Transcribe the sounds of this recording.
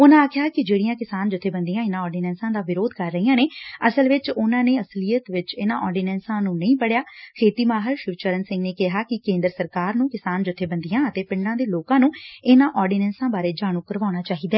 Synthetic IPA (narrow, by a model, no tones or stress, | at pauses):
ʊnãːkʰɪjaːkɪd͡ʒeːɽijãːkɪsaːnd͡ʒʊt̪ʰːeːbənd̪ijãːɪnãːɔːɾɖiːnɛ̃ːnsãːd̪aːʋɪɾoːd̪kəɾːəiːãːneːəsəlʋɪt͡ʃʊnãːneːəsliːjət̪ʋɪt͡ʃɪnãːʔɔːɾɖiːnɛ̃ːnsãːnũːnəĩːpəɽjaːkʰeːt̪iːmaːɦəɾʃɪʋt͡ʃəɾənsɪ̃ŋɡneːkɪɦaːkɪkẽːnd̪ɾəsəɾkaːɾnũːkɪsaːnd͡ʒʊt̪ʰːeːbənd̪ijãːət̪eːpɪ̃ɳɖãːd̪eːloːkãːnũːɪnãːʔɔːɾɖiːnɛ̃ːnsãːbaːɾeːd͡ʒaːɽ̃ũːkəɾʋaːʊɽ̃aːt͡ʃaːɦiːd̪aɛː